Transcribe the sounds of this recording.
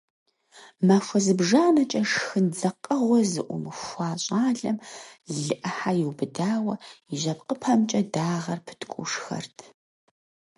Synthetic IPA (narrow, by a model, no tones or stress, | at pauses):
maːfʷɐzɨbʒaːnɐt͡ʃʼɐʂxɨnd͡zɐqʼɐʁʷɔzɨʔʷʊ̰mɨxʷɑːɕʼaːɮɐmɮɨʔɐħajɪwbɨdaːwɐiʑɐpqəpʰɐmt͡ʃʼɐdaːʁɐrpʰɨ̥tʰkʷʼṵʂxɐ̰rtʰ